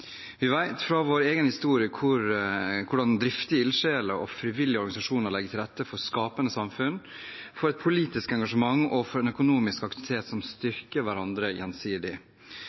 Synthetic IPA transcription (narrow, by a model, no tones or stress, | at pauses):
ʋɪʋæɪt̪fɾɑʋoːɾeːɡənhɪst̪uːɾɪəkʰʊɾkʰʊɖɑnd̪ɾɪft̪ɪəɪlʂeːləɾɔ̰fɾɪʋɪlɪəɔɾɡɑnɪsɑʂuːnəɾɭlɛɡːət̪ʰɪlɾɛt̪ːəfɔskɑːpənəsɑmfʉn | fɔɾɛt̪̚pʰʊliːt̪ɪskəɛŋɡɑʂəmɑŋːɔfɔɾɛnœkʊnuːmɪskɑkt̪ɪʋɪt̪ʰeːt̪sɔmst̪ʏɾkəɾʋæɾɑnd̪ɾəjɛ̰nsiːd̪ɪ